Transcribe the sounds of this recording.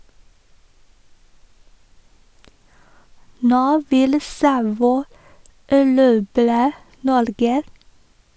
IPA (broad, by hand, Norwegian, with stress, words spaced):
ˈnoː ˈʋɪl ˈsɑʋɔʏ æˈɾuːbɾə ˈnɔɾɡə